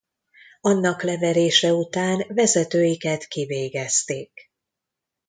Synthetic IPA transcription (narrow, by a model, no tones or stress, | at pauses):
ɒnːɒklɛvɛɾeːʃɛut̪aːnvɛzɛt̪øːjikɛt̪kiveːɡɛst̪eːk